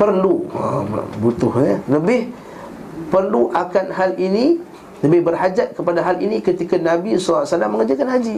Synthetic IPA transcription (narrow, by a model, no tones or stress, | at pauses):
pərluə̰but̪ʊhɲələbɪh | pərluʔakanhalini | ləbɪhbərɦad͡ʒat̪̚kəpadaɦalinĩkət̪ikanabisoasanaməŋəd͡ʒakanɦad͡ʒi